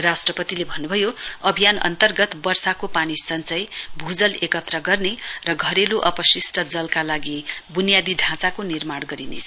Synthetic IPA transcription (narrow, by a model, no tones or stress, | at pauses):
rasʈrʌpʌt̪ilebʱʌnːubʱʌjoʌbʱijanʌ̰nt̪ʌrɡʌt̪bʌrsakopanisʌnt͡sʌjbʱud͡zʌlekʌt̪rʌɡʌrnerʌɡʱʌɾeluʔʌpʌsisʈʰʌd͡zʌlkalaɡibunijad̪iɖʱãt͡sakonirmaɽɡʌɾinḛt͡sʰ